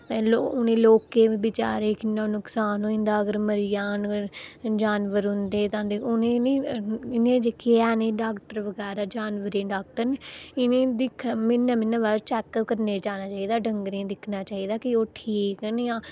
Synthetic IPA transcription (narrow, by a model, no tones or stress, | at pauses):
ɛ̃ːloːʊnẽːloːkeːʋiːbɪt͡ʃa̰ːɾeːkɪnːãːnʊksaːnõːɪ̃nd̪aːəɡəɾməɾɪjaːn | d͡ʒaːnʋəɾɦʊ̃nd̪eːt̪ãːd̪eʊnẽːneːɪnẽːd͡ʒeːkɪaːneːɖaːkʈəɾʋəɡɛːɾaːd͡ʒaːnʋəɾẽːɖaːk̚ʈəɾnɪnẽːd̪ɪkʰmɪnːãːmɪnːãːʋaːɾt͡ʃɛːkːəkəɾneːd͡ʒaːnaːt͡ʃaːiːd̪aːɖəŋɡɾẽːd̪ɪkʰnaːt͡ʃaːiːd̪aːkɪoːʈʰiːkneãː